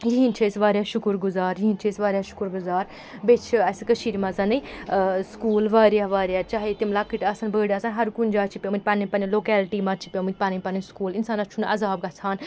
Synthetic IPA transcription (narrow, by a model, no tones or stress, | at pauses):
jiɦint͡ʃʰesʋaːɾjaːʃʊkɾɡʊzaːɾjiɦint͡ʃʰisʋaːɾjaʃʊ̥kɾɡʊzaːɾ | bet͡ʃʰɐsɨkəʃiːɾmɐzɐnɐjskuːlʋaːɾjaʋaːɾjaːt͡ʃaːɦit̪imlakːiʈɐsɐnbəːɽaːsanɦɐɾkund͡ʒaːt͡ʃʰipʲjomɨt̪̚ʲpɐnipɐniloːkɛːlʈiːmat͡ʃʰi̥pʲjamɨt̪̚ʲpanipɐniskuːlinsaːnɐt͡ʃʰunʔɐ̰zaːb̚ɡɐt͡sʰaːn